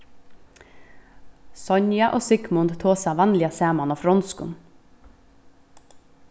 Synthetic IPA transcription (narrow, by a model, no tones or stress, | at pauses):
sɔɲjɑʔoːsɪkmʊnd̪t̪ʰoːsæːʋænlɪɑseːmɑnɔfɾɔnskʊ̰n